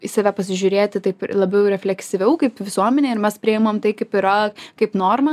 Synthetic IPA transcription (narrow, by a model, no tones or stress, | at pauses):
ɪsɐʋʲæpɐsʲɪʒʲʊɾʲeːt̪ʲɪt̪ɐɪplˠɐbʲɛʊɾʲɛfʲlʲɛksʲɪʋʲɛʊkɐɪpʋʲɪsuɔmʲɛnʲeːɪɾmʲɛspʲɾʲɪɪmɐmt̪ɐɪkɐɪpɪɾɐkɐɪpnoːrmɐ